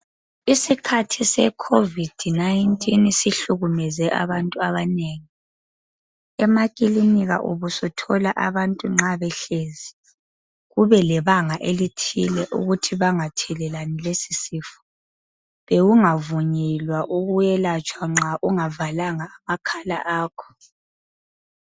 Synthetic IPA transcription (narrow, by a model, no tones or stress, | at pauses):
isikʰatʰisɛ̰kʰovid̥ʱnajintʼinsiɬuɣumɛzɛʔa̰βantʼuaβaneːŋi | ɛmakʼiliniɣa̰ʔuβusɔtʰɔlaʔaβantʼuŋ͡ǁaβɛɬezi | ɣuβɛlɛβaŋaʔelitʰḭlɛʔṵɣutʰiβaŋatʰɛlɛlanilesisiːfɔ̥ | βewuŋavuɲɛlwaʔuɣujɛlat͡ʃʼwaŋ͡ǁaʔuŋavalaŋaːmakʰala̰ʔaːkʰɔ̥